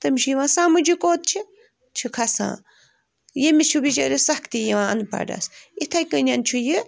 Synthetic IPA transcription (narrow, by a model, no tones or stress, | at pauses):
t̪ɨmʃʰujiʋãːsãːmud͡ʒikoːt̪̚t͡ʃʰi | t͡ʃʰikʰɐsã̰ː | jemit͡ʃʰubit͡ʃaɾisɐkʰt̪ijiʋãːɐ̰npa̰ːɖa̰sit̪ʰakʲɨnʲant͡ʃʰuji